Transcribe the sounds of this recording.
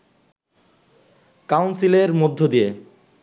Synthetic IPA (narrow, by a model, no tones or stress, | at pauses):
kawnsileɾmod̪ʱːod̪ije